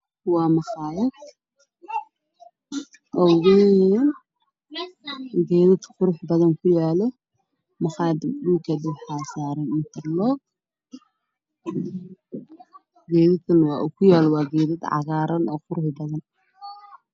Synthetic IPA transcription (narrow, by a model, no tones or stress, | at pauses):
wɑːmɑχɑːɪd̪ | ʔɔɣʊnɛn | ɡɛːðɐt̪qʊɾʊħbɐðɐŋkʰʊjaːlɛ | mɑχɑːd̪buːkʰɐd̪ɪħaːsaːɾɐmɪt̪ʰɐrlɔɡ̚ | ɡɛːðɐɐnwɑ̰ːʔʊkʰʊjaːlwɑːɡɛːðɐd̪ʕɑ̰ɣaːɾɐnʔɔːqʊɾʊħbɐðɐn